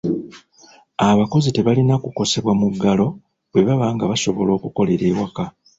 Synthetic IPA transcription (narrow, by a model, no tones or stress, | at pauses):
aβako̞zite̞βalinakuko̞se̞βwamuɡːalo̞ | βwe̞βaβaːŋɡaβaso̞βo̞lo̞ːkuko̞le̞ɾe̞ːwaka